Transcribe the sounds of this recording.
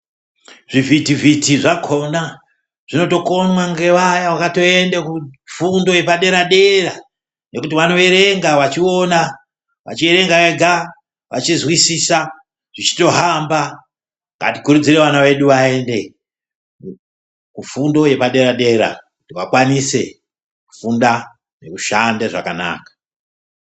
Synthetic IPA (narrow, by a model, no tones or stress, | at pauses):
ʐ̥ivitivitiʐakʰo̞na | ʐ̥ino̞to̞ko̞nwaŋɡe̞ʋajawakato̞e̞ndekufundo̞je̞paɗe̞ɾaɗe̞ra | ne̞kutiʋano̞eɾe̞ŋɡaʋat͡ʃio̞na | ʋa̰t͡ʃieɾe̞ŋɡaeɡʱa | ʋa̰t͡ʃizwisiːsa | ʐ̥it͡ʃi̥to̞ɦamba | ŋɡa̰tikuɾud͡zire̞ʋanawe̞ɗuʋae̞nde̞ | kufundo̞je̞paɗe̞ɾaɗe̞ɾa̰kutiwakwanise̞ | ku̥funda | ne̞kuʃandeʐa̰kana̰ːkḁ